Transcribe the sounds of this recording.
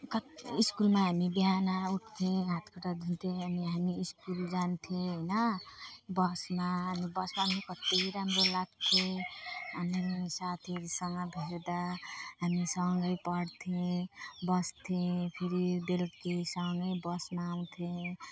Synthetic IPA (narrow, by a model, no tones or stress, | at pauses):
kʌiskulmaɦamibiɦanauʈʰt̪ʰẽɦat̪ʰkʰɔʈad̪ʱint̪ʰeəniɦamiːskuld͡ʒant̪ʰeɦəjna | bʌsmaːnibʌsmamĩkʌt̪eiɾamɾelaɡ̚t̪ʰe | ʌnensat̪ʰeɾisʌŋɡʌbʱeɾd̪aɦamisʌŋɡəjpʌɽt̪ʰẽbʌst̪ʰẽpʰiɾibelkisʌŋɡəjbʌsmaːw̃t̪ʰe